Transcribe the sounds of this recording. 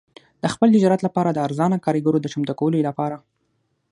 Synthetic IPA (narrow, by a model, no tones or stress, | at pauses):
d̪̥əxpəlt̪ɪd͡ʒɑɾat̪lapɑɾad̪əaɾzɑnakɑɾiɡaɾod̪ət͡ʃamt̪akawəlolapɑɾa